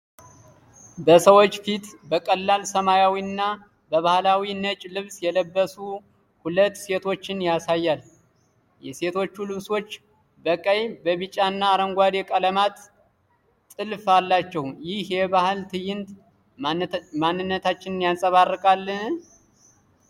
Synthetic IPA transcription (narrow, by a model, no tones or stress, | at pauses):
bəsəwo̞t͡ʃːfit̪bəkʼəlːalsəmajawiɨnːa | bəβahlawinət͡ʃʼlɨβsjɛləbːəsu | hulət̪ːse̞t̪ʰo̞t͡ʃːɪnjasajːal | jɛse̞t̪ʰo̞t͡ʃːulɨβso̞t͡ʃː | bəkʼəjbəβɨt͡ʃʼːanːaːɾəŋɡʷad̪ekʼələmat̪ː | ɨlfalːat͡ʃːɛwjɪhjɛβahɨlt̪ʰɨjːɪnt̪ | manːɨnːət̪ʰat͡ʃːɪnɨnjansʼəβarːɨkʼalːɨ